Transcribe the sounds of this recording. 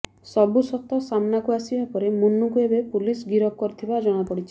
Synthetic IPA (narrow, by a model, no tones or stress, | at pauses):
sɔbusɔt̪ɔsamnakuasibapɔɾemunːukuebepulisɡiɾɔp̚kɔɾt̪ʰibad͡ʒɔɽ̃apɔɽit͡ʃʰi